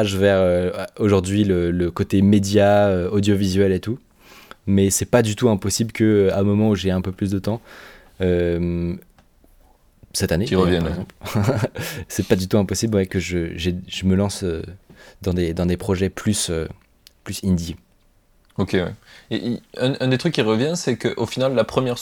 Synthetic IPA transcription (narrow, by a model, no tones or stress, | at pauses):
aʒvɛʁøoʒuʁd̪ɥilələkot̪emed̪jaøod̪jovizɥɛlet̪u | mɛsɛpad̪yt̪uɛ̃pɔsiblkəamɔmɑ̃uʒeɛ̃pøplys̬d̪ət̪ɑ̃ | øm | sɛt̪aneiʁəvjɛnɛɡzɑ̃pl | sɛpad̪yt̪uɛ̃pɔsiblwɛkəʒəʒeʒəməlɑ̃sød̪ɑ̃d̪ed̪ɑ̃d̪epχɔʒɛplysø | plysĩnd̪i | okʲewɛ̰eʔiɛ̃ʔɛ̃d̪et̪χykʲːiʁəvjɛ̃nsɛkəʔofinalːapχəmjɛʁ